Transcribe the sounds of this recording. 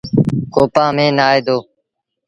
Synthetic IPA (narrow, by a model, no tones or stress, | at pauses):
koːpãːmẽːnaːeːd̪oː